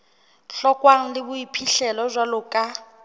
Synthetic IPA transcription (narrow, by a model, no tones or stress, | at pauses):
ɬɔkʼwaŋ̩lɪbʊipʰiɬɛlɔzʷalʊkʼa